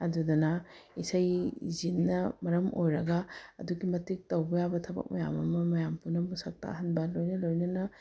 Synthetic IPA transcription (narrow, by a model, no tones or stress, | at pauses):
ɐdudɐnɐisajzinːɐmɐɾɐmojɾɐɡaɐ̰duɡimɐtik̚tɐwbɐjabɐtʰɐbɐ̰k̚mɐja̰mɐmɐmɐjampunɐmusɐk̚ta̰ɦɐnbɐlojnɐlojnɐnɐ